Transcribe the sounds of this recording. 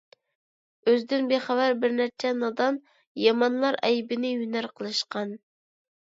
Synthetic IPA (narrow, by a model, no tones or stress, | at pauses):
øzd̪ɪnbeχævæɾbɪɾnæɾt͡ʃʰɛnɑd̪ɑn | jɑmɑnlˠɑɾɛjbɪnɪjynæɾqʰəlˠɨʃqɑn